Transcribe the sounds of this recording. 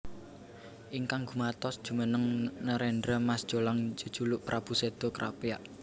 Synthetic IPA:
ʔiŋkaŋɡumat̪ɔsd̥ʒ̥ṳmənəŋnəɾɛɳdɾamasd̥ʒ̥olaŋd͡ʒə̤d̥ʒ̥ṳlʊʔpɾʔab̥ṳsed̪̥o̤kɾa̰pija̰ʔ

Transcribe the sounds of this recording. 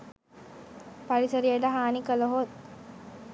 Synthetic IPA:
pɐɾisəɾijəɖəɦaːnikəloɦot̪

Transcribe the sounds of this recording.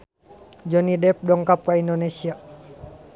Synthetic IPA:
d͡ʒɔnidɛp̚dɔŋkap̚kaindonesia

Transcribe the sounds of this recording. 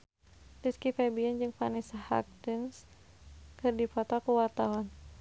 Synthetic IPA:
diskifɛbiɛnd͡ʒɨŋfanisaha̰k̚t̪ins | kɨrdifɔt̪ɔkuwat̪aɦɔn

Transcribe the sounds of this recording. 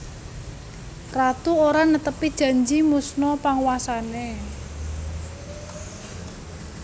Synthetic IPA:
rat̪uoɾanət̪əpid̥ʒ̥a̤ɲd͡ʒimusnɔpaŋwasane

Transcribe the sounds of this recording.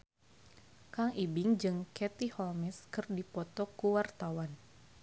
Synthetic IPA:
kaŋibɪŋd͡ʒɨŋkɛt̪ihɔlmɛskɨrdipɔt̪ɔkuwart̪awan

